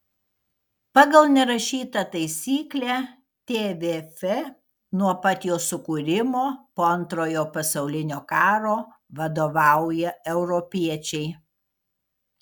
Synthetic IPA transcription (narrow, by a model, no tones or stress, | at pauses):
pɑːɡɐlˠnʲɛɾɐʃʲiːt̪ɐt̪ɐɪsʲiːklʲæ | t̪ʲeːʋʲeːfʲɛ | nuɔpɑt̪ʲjoːsʊkuːɾʲɪmoːpoːɐnt̪ɾoːjoːpɐsɐʊlʲɪnʲoːkɑːɾoː | ʋɐd̪oːʋɑˑʊjɛɛʊɾɔpʲiɛt͡ʃʲɛɪ